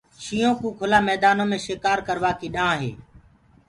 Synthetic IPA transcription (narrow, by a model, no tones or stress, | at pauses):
ʃiːõːkũːkʰʊlaːmɛːd̪aːnõːmẽːʃeːkaːɾkəɾʋaːkiːɗãːɦḛː